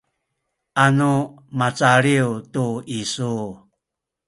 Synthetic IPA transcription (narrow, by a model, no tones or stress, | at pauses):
anu | mat͡saɾiutuisu